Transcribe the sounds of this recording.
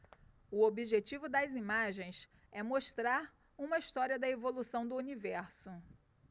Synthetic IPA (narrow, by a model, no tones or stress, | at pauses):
ʊobiʒet͡ʃivʊd̪ɐzimaʒẽj̃s | ɛmoʃt̪ɾaɾ | ũmɐiʃt̪ɔɾiɐd̪ɐevolusɐ̃w̃d̪ʊunivɛɾsʊ